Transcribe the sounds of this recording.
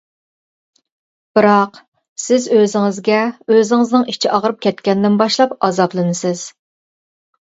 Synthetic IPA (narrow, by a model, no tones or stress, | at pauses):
b̥ɨɾɑq | sɪzøzɪŋɪzɡʲɛøzɪŋɨznɨŋit͡ʃʰiʔɑʁɾɨp̚kʲʰɛt̪kʲɛnd̪ɪnbɑʃlˠɑpɑzɑblˠɨnɨsɪz̥